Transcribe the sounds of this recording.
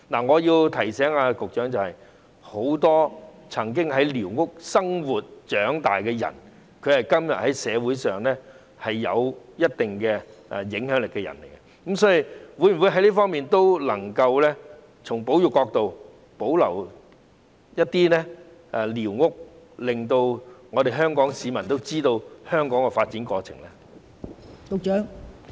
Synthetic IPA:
naː˨˩ŋɔː˨˧jiː˧wt̪ʰɐ˨˩jsɛː˨˥ŋaː˧kʊ˨k̚t͡ʃœː˨˥ŋt͡sɐ˨whɐ˨j | ho˨˧˥wt̪ɔː˥ | t͡sʰɐ˨˩ŋk̬ɪ˥ŋɦɐ˨˥jliː˨˩wŋʊ˥k̚sɐ˥ŋwuː˨t̚t͡ʃœː˨˥ŋt̪aː˨jkɛː˧jɐ̰˨˩n | kʰɵ˨˧ɥhɐ˨jkɐ˥mjɐ˨t̚hɐ˨˥jsɛː˨˧wu˨˥jsœː˨ŋlɛː˥ | hɐ˨jːɐ̰˨˧wjɐ˥t̚t̪ɪ˨ŋkɛ˧ʔɛ˨jɪ˨˥ŋɦœː˨˥ŋlɪ˨kːɛ˧jɐ̰˨˩nlḛ˨˩jɡɛ˧ | ko˨˥msɔː˨˥ji˨wu˨˧˥jwu˨˥ɦɐ˨˦jliː˥fɔː˥ŋmiː˨nt̪o˥wlɐ˨˩ŋkɐ˧wlɛː˥ | t͡sʰʊ˨˩ŋpo˨˥wjʊ˨kɔː˧k̚t̪o˨˧w | po˨˥wlɐ˨˩w | jɐ˥t̚t̪iː˥lɛː˥ | ʔɛ˨˧liː˨˩wŋʊ˥k̚lɪ˨ŋt̪o˧wŋɔː˨˧t̪e˨jɦœː˥ŋkɔː˨˥ŋsiː˨˧mɐ˨˩nt̪o˥wt͡siː˥t̪o˧whœː˥ŋkɔː˨˥ŋkɛ˧faː˧t̚t͡siː˨˥nkɔː˧t͡sʰɪ˨˩ŋlɛ˥ | t̪ʊ˨k̚t͡ʃœː˨˥ŋ

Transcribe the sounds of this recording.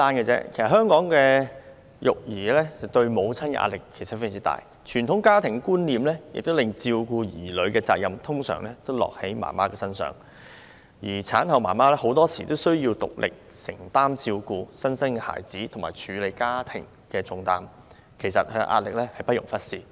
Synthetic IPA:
t̪aː˥nkɛ˧t͡sɛ̰˥kʰe˨˩sɐ˨t̚ɦœː˥ŋkɔː˨˥ŋkɛː˧ | jʊ˨k̚jiː˨˩lɛː˥t͡sɐ˨wt̪ɵ˧ɥmo˨˧wt͡sʰɐ˥nkɛ̰˧ʔa̰ː˧t̚lɪ˨˩kʰːe˨˩jsɐ˨˩ft͡siː˨˥t̪a̰ː˨j | t͡ʃʰyː˨˩nt̪ʰʊ˨˥ŋkaː˥t̪ʰɪ˨˩ŋkuː˥nliː˨mlɛː˥jɪ̰˨k̚t̪o˥lɪ˨ŋt͡siː˧wkuː˧jiː˨˩lɵ˨˧ɥkɛː˧t͡saː˧k̚jɐ˨mt̪ʰʊ˥ŋsœ̰ː˨˩ŋlɛː˥t̪o˥wlɔ̰ː˨k̚he˨˥jma̰ː˨˩maː˥kɛː˧sɐ˥nsœ̰ː˨˩ŋ | jiː˨˩t͡sʰaː˨˥nhɐ˨wmaː˨˩maː˥lɛː˥ho˨˥wt̪ɔː˥siː˨t̪o˥wsɵ˥ɥjiː˧wt̪ʊ̰˨k̚lʔɪ̰˨k̚sɪ̰˨˩ŋt̪aː˥mt͡siː˧wkuː˧sɐ˥nsɐ˥nkɛ˧ha̰ː˨˩jt͡siː˨˥t̪ʰʊ˨˩ŋmaː˨˩jt͡ʃʰyː˨˧le˨˧jkaː˥t̪ʰɪ˨˩ŋ | kɛː˧t͡sʊ˨˧ŋt̪a̰ː˨˩m | kʰe˨˩jsɐ̰˨t̚hʔa̰ː˧t̚lɪ˨k̚lɛ˥hɐ˨jpɐ˥t̚jʊ˨˩ŋfɐ˥t̚siː˨˩

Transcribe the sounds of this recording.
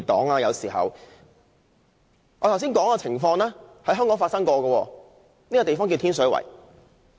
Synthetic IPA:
t̪ɔ̰ː˨˥ŋaː˧jɐ˨˧wsiː˨˩ɦɐ̰˨w | ɔː˨˧t̪ʰws̬iː˥nkɔː˨˥ŋkɔː˧t͡sʰɪ˨˩ŋfɔː˧ŋlɛː˥hɐ˨˥jɦœː˥ŋkɔː˨˥ŋfaː˧tsɐ˥ŋkɔː˧ɡɐ˧wɔː˧ | ni˥kɔ˧t̪e˨jfɔː˥ŋki˧t̪ʰiː˥ns̬œ˨˥wɐ̰˨˩j

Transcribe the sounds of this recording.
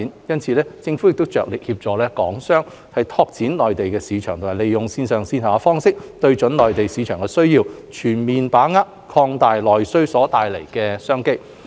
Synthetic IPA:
njɐ˥nt͡sʰiː˧˥lɛː˥t͡sɪ˧ŋfu˨˥jɪ˨k̚t̪o˥wt͡ʃœː˨k̚lɪ˨k̚hiː˧p̚t͡sɔː˨˧lɛː˥kɔː˨˥ŋsœː˥ŋ | hɐ˨jt̪ʰɔː˧k̚t͡siː˨˥nlɔː˨jt̪e˨jkɛː˧siː˨˧t͡ʃʰœː˨˩ŋt̪ʰʊ˨˩maː˨˩le˨jʊ˨ŋsiː˧nsœː˨˩ŋsiː˧nhaː˨˧fɔː˥ŋsɪ˥k̚t̪ɵ˧ɥt͡ʃɵ˨˥nlɔː˨˩jt̪e˨jsiː˨˧t͡ʃʰœː˨˩ŋkɛː˧sɵ˥ɥjiː˧wt͡ʃʰyː˨˩nmiː˨npaː˨˥ŋaː˥t̚kʰɔː˧ŋt̪aː˨jlɔː˨jsɵ˥ɥsɔː˨˥t̪aː˨jle˨˩jkɛː˧sœː˥ŋke˥j

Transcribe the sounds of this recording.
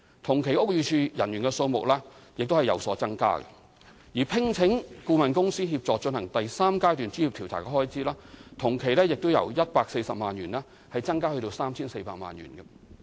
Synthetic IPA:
t̪ʰʊ˨˩ŋkʰe˨˩jʊ˥k̚jyː˨˧t͡ʃʰyː˧jɐ˨˩nɥyː˨˩nkɛ˧so˧wmʊ̰˨k̚lɛː˥jɪ˨k̚t̪o˥whɐ˨jɐ̰˨˩wsɔː˨˥t͡sɐ˥ŋka̰ː˥ɡɛ̰˧ | jiː˨˩pʰɪ˥ŋt͡sʰɪ˨˥ŋkuː˧mɐ˨nkʊ˥ŋsiː˥hiː˧p̚t͡sɔː˨k̚t͡ʃɵ˧nhɐ˨˩ŋt̪ɐ˨jsaː˥mkaː˥jt̪̬yː˨nt͡ʃy˥jiː˨p̚t̪ʰi˨˩wt̪ʰa̰ː˨˩kɛ˧˥hɔː˥jt͡siː˥laː˥t̪ʰʊ˨˩ŋkʰe˨˩jlɛː˥jɪ˨k̚t̪o˥wjɐ̰˨˩wjɐ˥t̚paː˧k̚se˧jsɐ˨p̚maː˨njyː˨˩nlɛː˥ | hɐ˨jt͡sɐ˥ŋkaː˥hɵ˧t̪o˧wsaː˥mt͡sʰiː˥nse˧jpa̰ː˧k̚ma̰ː˨˩nɥy̰ː˨˩nɡɐ˧

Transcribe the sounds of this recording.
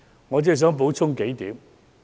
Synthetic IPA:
ŋɔː˨˧t͡si˥˨s̬œː˨˥ŋp̬o˨˥wt͡sʰʊ˥ŋke˨˥jt̪ḭː˨˥m

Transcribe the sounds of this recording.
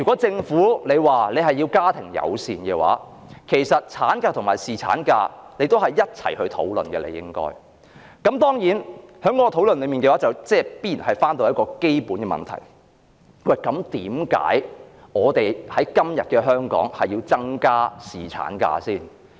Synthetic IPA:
jyː˨˩kɔː˨˥t͡sɪ˧ŋfuː˨˥le˨˧jwaː˨le˨˧jɦɐ˨jːiː˧wkaː˥t̪ʰɪ˨˩ŋjɐ̰˨˧wsiː˨nkɛː˧wa̰ː˨˥kʰe˨˩jsɐ˨t̚t͡sʰaː˨˥nkaː˧t̪ʰʊ˨˩ŋmaː˨˩jsiː˨t͡sʰa̰ː˨˥nka̰ː˧ne˨˧jt̪o˥whɐ˨jːɐ˥t̚t͡sʰɐ̰˨˩jhɵ˧ɥt̪ʰo̰˨˥wlɵ̰˨nkɛ̰ː˧lḛ˧jɪ̰˥ŋkɔ̰ː˥j | kɐ˨˥mt̪ɔː˥ŋjiː˨˥nhœː˨˥ŋkɔː˨˥˧t̪ʰo˨˥wlɵ˨nlɵ˨˧jmiː˨nkɛ˧waː˨˥t͡sɐ˨wt͡sɛː˥piː˥iː˨˩nhɐ˨jfaː˥nt̪o˧wjɐ˥t̚kɔː˧ke˥jpuː˨˥nkɛː˧mɐ̰˨˩nt̪ʰɐ̰˨˩j | wɐ˨˩jkɐ˨˧mt̪iː˨˥mka̰ː˨˥jŋɔː˨˧t̪e˨jhɐ˨˥jkɐ˥mjɐ̰˨t̚kɛ˧ɦœː˥ŋkɔ̰ː˨˥ŋhɐ˨jːiː˧wt͡sɐ˥ŋkaː˥siː˨˩t͡sʰa̰ː˨˥nka̰ː˧siː˥˩n

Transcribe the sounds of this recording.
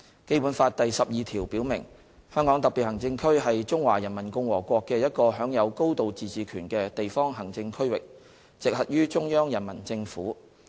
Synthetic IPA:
ke˥jpu˨˥nfaː˧t̚t̪ɐ˨jsɐ˨p̚jiː˨˧t̪ʰiː˨˩wpiː˨˥wmɪ˨˩ŋ | hœː˥ŋkɔ˨˥ŋt̪ɐ˨k̚piː˨t̚hɐ˨˩ŋt͡sɪ˧ŋkʰɵ˥ɥɦɐ˨jt͡ʃʊ˥ŋwa̰ː˨˩jɐ˨˩nmɐ˨˩nkʊ˧ŋwɔː˨˩kʷɔː˧kːɛː˧jɐ˥t̚kɔː˧ɦœː˨˥ŋjɐ˨˧wko˥wt̪o˨wt͡siː˨˧t͡siː˨kʰyː˨˩nkɛː˧t̪e˨jfɔː˥ŋɦɐ˨˩ŋt͡sɪ˧ŋkʰɵ˥ɥwɪ˨k̚ | t͡sɪ˨k̚hɐ˨t̚jyː˥t͡ʃʊ˥ŋjœː˥ŋjɐ˨˩nmɐ˨˩nt͡sɪ˧ŋfṵː˨˥

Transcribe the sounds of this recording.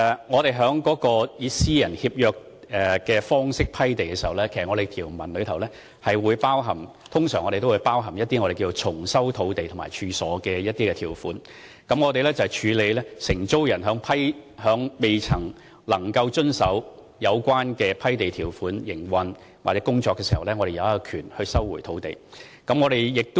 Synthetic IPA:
ɛ˨ŋɔː˨˧ɾe˨jɦœː˨˥ŋkɔː˨˥kɔː˧jiː˨˧siː˥jɐ˨˩nhiː˧p̚jœː˧k̚ | ɛ˨˩kɛː˧fɔː˥ŋsɪ˥k̚pʰɐ˥jt̪e˨jkɛː˧si˨˩˨ɐ˨wlɛː˥kʰe˨˩sɐ˨ŋɔː˨˧e˨jt̪ʰiː˨˩wmɐ˨˩nlɵ˨˧ɥt̪ʰɐ˨˩wlɛː˥ | hɐ˨jwuː˨˧jpaː˥wɦɐ˨m | t̪ʰʊ˥ŋsœː˨˩ŋɔ˨˧ɾe˨jt̪o˥wuː˨˧jpaː˥wɦɐ˨˩mjɐ˥t̪ːiː˥ŋɔː˨˧e˨˩kiː˧t͡so˧wt͡sʰʊ˨˩ŋsɐ˥wt̪ʰo˨˧wt̪e˨jt̪ʰʊ˨˩ma̰ː˨˩jt͡ʃʰyː˨˧sɔː˨˥kɛː˧jɐ˥t̪̚iː˥kɛː˧iː˨˩wfuː˨˥n | kɐ˨˥mŋɔː˨˧e˨jlɛː˥t͡sɐ˨whɛ˨jt͡ʃʰyː˨˧le˨˧jlɛː˥sɪ˨˩ŋt͡so˥wjɐ˨˩nɦœː˨˥ŋpʰɐ˥jhœː˨˧˥ŋme˨jt͡sʰɐ˨˩ŋ | lɐ˨˩ŋkɐ˧wt͡ʃɵ˥nsɐ˨˥w | jɐ˨˧wkʷaː˥nkɛː˧pʰɐ˥jt̪e˨jt̪ʰiː˨˩wfuː˨˥njɪ˨˩ŋwɐ˨n | waː˨˩t͡sɛː˨˦˥kʊ˥ŋt͡sɔː˧kːɛː˧si˨˩hɐ˨˩wlɛː˥ŋɔ˨˧ɾe˨jɐ˨˧wɐ˥kːɔ˧kʰyː˨˩nhɵ˧ɥsɐ˥wːuː˨˩jt̪ʰo˨˥wt̪ḛ˨jkɐ˨˥mŋɔː˨˧ɾe˨jjɪ˨k̚t̪ʊ˥

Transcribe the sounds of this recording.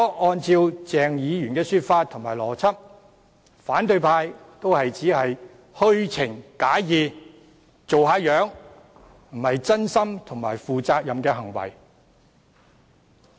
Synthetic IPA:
ɔ˥ʔɔː˧nt͡siː˧wt͡sɛː˨˧ŋjiː˨˧jyː˨˩nkɛː˧syː˧t̚faː˧t̪̚ʰʊ˨ŋmaː˨˩lɔː˨˩t͡sʰɐ˥p̚ | faː˨˥nt̪ɵ˧ɥpʰaː˧j | t̪o˥whɐ˨jt͡siː˨˥hɐ˨j | hɵ˥ɥt͡sʰɪ˨˩ŋkaː˨˥jiː˨˧ | t͡so˨wɦaː˨˧˥jœː˨˥ŋ | m̩˨˩hɐ˨jt͡sɐ˥nsɐ˥mt̪ʰʊ˨˩ŋma̰ː˨˩jfuː˨t͡saː˧k̚jɐ˨mkɛː˧ɦɐ˨˩ŋwɐ̰˨˩j

